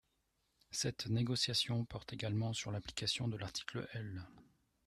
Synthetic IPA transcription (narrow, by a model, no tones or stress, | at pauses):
sɛt̪neɡɔsjasjɔ̃pɔʁt̪eɡalmɑ̃syʁlapli̥kasjɔ̃d̪əlaʁt̪ʰi̥klə̰ʔɛl